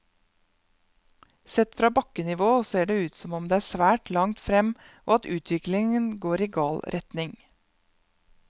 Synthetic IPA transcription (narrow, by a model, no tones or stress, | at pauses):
sɛt̪fɾɑːbɑkənɪʋoːseːɖeːʉːt̪sɔmɔmd̪eːæːsʋæːʈlɑŋt̪fɾɛm | ʔo̰ːɑt̪ʉːt̪ʰʋɪklɪŋənɡoːɾiːɡɑːlɾʔɛt̪nɪŋ